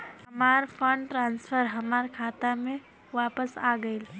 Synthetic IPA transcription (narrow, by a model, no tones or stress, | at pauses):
hɐmaːɾfʰə̃ɳɖʈɾãːnsfəɾɦɐmaːɾkʰaːt̪amẽ | ʋaːpəsaːɡəil